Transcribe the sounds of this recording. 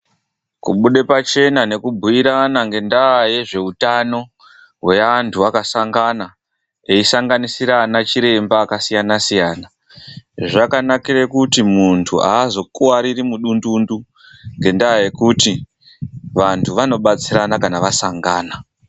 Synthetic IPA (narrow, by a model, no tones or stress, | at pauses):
kuɓuɗe̞pat͡ʃe̞nane̞kubʱujiɾanaŋɡe̞ndaːje̞ʐe̞utano̞ | ɦwe̞antʰuakasaŋɡana | eisaŋɡanisiɾanat͡ʃiɾe̞mbaːkasijanasijaːna | ʐakanakirekutimuntʰṵa̰ːzo̞kuwaɾirimuɗundundu | ŋɡe̞ndaːje̞kuti | ʋantʰuʋano̞ɓat͡siranakanaʋasaŋɡaːna